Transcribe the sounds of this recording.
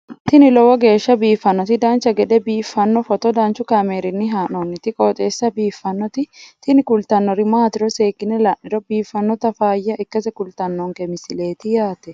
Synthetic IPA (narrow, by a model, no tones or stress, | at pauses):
t̪ɪnɪlɔwɔɡe̞ːʃːɐbiːfːɐnːɔt̪ɪd̪ɐnt͡ʃːɐɡɛd̪ɛbiːfːɐnːɔfɔt̪ɔd̪ɐnt͡ʃːʊkɐmeːɾɪnːɪɦaːnɔnːɪt̪ɪkʼoːt̪ʼeːsːɐbiːfːɐnːɔt̪ɪt̪ɪnɪkʊlt̪ɐnːɔɾɪmaːt̪ɪɾɔse̞ːkːɪnɛlɐʔɪɾɔbiːfːɐnːɔt̪ɐfaːjːɐʔɪkːɐsɛkʊlt̪ɐnːɔŋkɛmɪsɪle̞ːt̪ɪjaːt̪ɛ